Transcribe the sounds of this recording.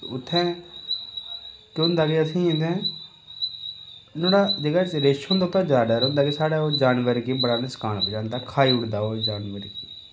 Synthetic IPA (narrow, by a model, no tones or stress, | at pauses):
ʊt̪ʰːɛ̃ː | kɪʊ̃nd̪aːɡeəsĩːẽnd̪ɛ̃ː | noːɽaːd͡ʒeːɡaːt͡ʃɾeːʃõnd̪aːʊt̪ʰːãːd͡ʒaːɖaːɾõːnd̪aːkesaːɽaːoːd͡ʒaːnʋəɾkiːbəɽaːnesə̥kaːnpːd͡ʒãːnd̪aːkʰaːiːʊɽd̪aːoːd͡ʒaːnʋəɾkiː